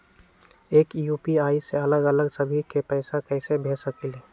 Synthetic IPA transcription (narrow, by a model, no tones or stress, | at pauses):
eːkjuːpiaːiseələɡələɡsəbʱikepɛɪsakəɪsebʱeːsəkile